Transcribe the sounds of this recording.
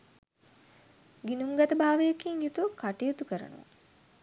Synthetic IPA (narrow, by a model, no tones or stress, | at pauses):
ɡinuŋɡat̪əbaːʋejɐkiŋjut̪uʋkːaʈijot̪ukəɾə̰nṵʋa̰